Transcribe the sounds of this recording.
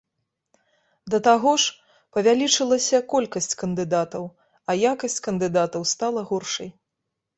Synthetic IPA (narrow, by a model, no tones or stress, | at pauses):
d̪ɐt̪aɣɔʂ | pɐvʲalʲit͡ʂɨlˠɐsʲɐkɔlʲkɐsʲt͡sʲkɐnd̪ɨd̪at̪ɐw | ɐjakɐsʲt͡sʲkɐnd̪ɨd̪at̪ɐwst̪alˠɐɣɔrʂɐj